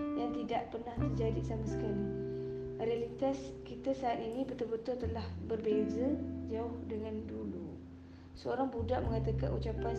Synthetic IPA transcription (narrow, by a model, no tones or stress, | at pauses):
jaŋt̪idaʔpərnaht̪ərd͡ʒadisamasə̥kali | realit̪askit̪asaːt̪inibət̪ʊbət̪ʊrt̪əlahbərbezad͡ʒaʊhdəŋandulu | səoɾaŋbudaʔməŋat̪aka̰nut͡ʃapan